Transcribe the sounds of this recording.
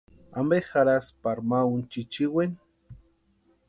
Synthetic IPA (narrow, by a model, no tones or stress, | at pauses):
ambexaɾaspaɾmaunt͡ʃit͡ʃiwen